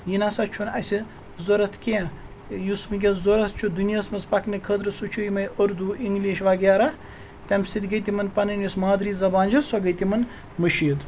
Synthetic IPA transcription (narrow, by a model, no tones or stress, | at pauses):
jinasɐt͡ʃʰunɐsʲi | zoɾɐt̪ʰkʲẽː | jusmɨɡʲezoɾɐt̪̚ʰt͡ʃʰud̪unʲjasmɐspɐknɨkʰəd̪ɾɨsut͡ʃʰujmɐjʔoɾd̪uʔiŋɡliːʃʋaɡʲaːɾa | t̪ʲɐmsit̪ʲɡɐt̪ʲimɐnpɐnɐnʲɐsmaːd̪ɾiːzɐbaːnd͡ʒɐsoɡəjt̪ʲimɐn | mɐʃiːd̪